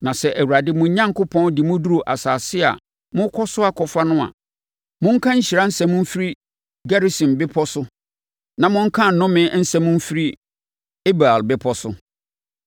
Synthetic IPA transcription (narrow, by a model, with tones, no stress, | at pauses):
nã˨sɛ˨ʔæ˨wu˨ɾa˨dɪ˦mũ˨˦ɲã˦ŋkʰʊ˦pʰɔ̃˦ndɪ˨mʊ̃˦du˦ɾo˨ʔa˨saː˨sɪ˦a̰˨ | mʊ̃˦kʰɔ˦sʊ˦a˦˨kʰɔ˨fa˦nʊ̃˦a̰˨ | mʊ̃˦ŋ̩˦kʰã˦ɲ̩˦ɕi˨ɾa˦n̩˦sɛ̃˨mʊ̃˦m̩˦fi˦ɾi˦ | ɡa˦ɾe˦sĩ˨mbɪ˦pʰɔ˦sʊ˦ | nã˨mʊ̃˦ŋ̩˦kʰã˦˨n̩˨nʊ̃˦mɪ̃˨n̩˦sɛ˦mʊ̃˦m̩˦fi˦ɾi˦ | e˦ba˨lbɪ˦pʰɔ˦sʊ̰˦